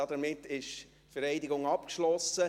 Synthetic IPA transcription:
ɑd̥ɛmɪtːɪʃ | fɛɾɛɪdɪɡʊŋɑpkʃlɔsə

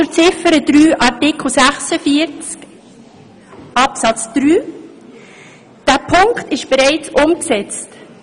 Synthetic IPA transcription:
ʊɾt͡sɪfəɾəd̥̪ɾyːʔɑɾtɪkl̩sæχsəfiːəɾt͡sk | ʔɑpsɑt͡sd̪̥ɾyː | d̥æːpʰʊŋktɪʃb̥ɛɾɛɪt͡sʊmksɛt͡st

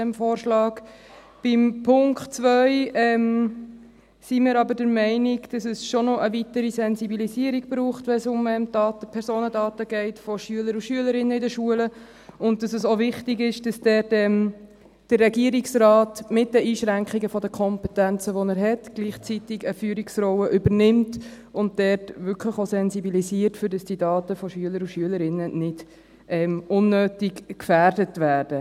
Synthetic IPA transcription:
ɛmfoːɾʃlɑːk | b̥ɪmpʰʊŋkχtt͡sʋœʏɛm | simɪːɾɑbədəɾmɛɪnɪɡd̥ɑsəsʃɔnɔʔəʋitəɾisɛnzibiliziəɾiɡ̥b̥ɾuːχtʋɛnsʊmɛmdɑːtəpʰɛɾsoːnədɑːtəɡ̥ɛɪtfɔʃyələɾuʃyələɾɪnːəɪdəʃuələ | ʊnt̚d̥ɑsəsovɪχtɪɡɪʃd̥ɑsd̥ɛdɛm | d̥ərːɛɡiəɾiksɾɑːtmɪt̚dəʔiːʃɾæŋkiɡəfɔdəkʰɔmpɛtænt͡səʋɔnæɾɦɛtɡ̥liːχt͡sitɪɡəfyːɾiksɾɔwəʔʏbəɾnɪmt | ʊnt̚dɛrtʋʏɾkʰləχosɛnzibilisiːəɾtfʏɾdɑsd̥idɑːtəfɔʃyələɾuʃyələɾɪnːənɪd̥ | ʔɛmʊnːøːtɪkkfæːrdətvæːɾd̥ə

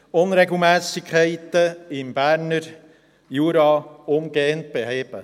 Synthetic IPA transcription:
ʊnɾeɡl̩ˠmɛːsɪkʰɛɪt̪əɪmb̥æːɾnəɾ | juːɾɑːʊmɡeːənt̪̚b̥eɦeːb̥ə

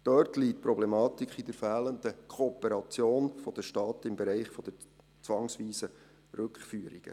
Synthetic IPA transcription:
d̥œɾtlitpɾɔblɛmɑːt̪ikʰχidəɾfæːləndəkʰoːpəɾɑt͡sjoːnfɔd̥̪əʃtɑːtɪmbɛɾɛɪχfɔd̥̪ə | t͡sʋɑŋsʋiːsə | ɾʉkχfyːəɾiɡ̥ə̰

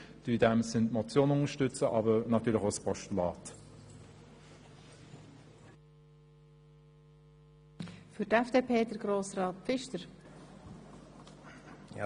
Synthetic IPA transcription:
d̥ydɛmsɪndmɔt͡sjoːnəʊŋəʃtʏt͡səʔɑːbənɑtʰyːlɪçoʊspʰɔʃtulɑːt | fyɾtɛfd̥eːpʰeːdəɾɡ̥ɾoːsɾɑːt̚pfɪʃtəɾ

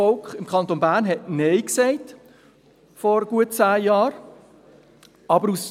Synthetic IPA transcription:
ɔlkχɪmkʰχɑnt̪onbæːɾnɦɛtneɪksɛɪt | fɔɾɡ̥uət̚t͡sæːjɑːɾ | ɑbəɾus

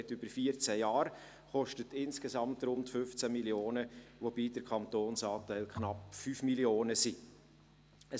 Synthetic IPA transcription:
ɛtʏb̥əɾfiəɾt͡sæjɑːɾ | χɔʃtətɪnskesɑmtɾʊmt̪fʏft͡sæmiljoːnəʋobiːdəɾkʰχɑnt̪oːnsɑːtɛɪlkʰχnɑpfyːfmilioːnəsi | ə

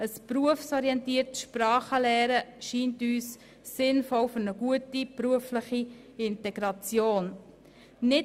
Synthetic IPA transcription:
əspɾuəfsɔɾiɛntiəɾtʃpɾɑːχəlɛːɾəʃiːntyːsː | ɪnfɔlfʏɾnəɡ̥uətipɾuəfləχi | ɪntɛɡ̥ɾɑt͡sjoːn | nɪ

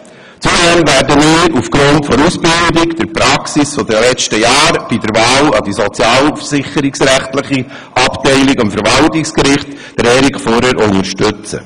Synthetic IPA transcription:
t͡sudɛmvæɾdəmiːɾufɡ̥ɾʊntfɔɾuːsbɪldɪkd̪̥əɾpɾɑksisfɔdəlɛt͡ʃtəjɑːɾb̥idəɾvɑːlɑdisɔt͡sjɑːlfəsɪχəɾiksɾæχtləχi | ʔɑptɛɪlɪkɑmfəɾʋɑltɪkskɾɪχt | d̥əɾɛɾikfɔɾəɾʊŋəɾʃtʏt͡sə̰

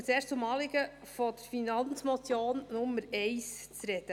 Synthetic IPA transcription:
t͡seːʃtumɑːlɪɡə | fɔd̥əɾfinɑnt͡smɔt͡sjoːnːʊmːəɾɛɪst͡sɾɛd̥̪ə

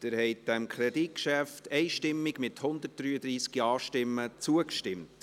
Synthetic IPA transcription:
d̥ɪɾhɛɪtd̥ɛmkʰɾɛditkʃæftɛɪʃtɪmːɪɡmɪthʊnd̪ət̚d̥ɾyːəd̪ɾiːskiɑːʃtɪmːət͡suəkʃtɪmt

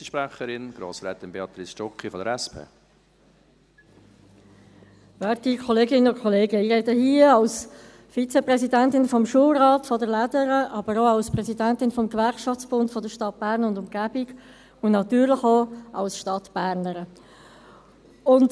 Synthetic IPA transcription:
əʃpɾɛχəɾɪnɡ̥ɾo̰ːsɾɛːt̪ɪnbeɑt̪ɾisʃɔkːifɔdəɾɛspʰḛː | vɛːɾtikʰɔleːɡɪnənʊnkʰɔleːɡəiɾɛdəhiːəɑls | fit͡sɛprɛsidæntɪnfɔmʃuəlɾɑːtfɔdəɾlædəɾəʔɑbəɾoɑlsprɛsidæntɪnfɔmɡvæɾkʃɑft͡sb̥ʊntfɔdəɾʃtɑt̚b̥æːɾnʊndʊmɡ̥æbɪɡ | ʊnnɑtyːɾlɪχoɑ̰lsʃtɑtb̥æːɾnəɾə | ʊnt

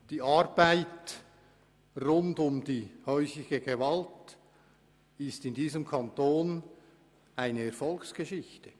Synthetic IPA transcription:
d̥iːʔaɾbaɪt | rʊndʊmd̥iːhœʏsɪɡəɡevalt | ɪstɪndiːzəmkʰantoːn | aɪnəɛɾfɔlksɡ̥əʃɪçtə

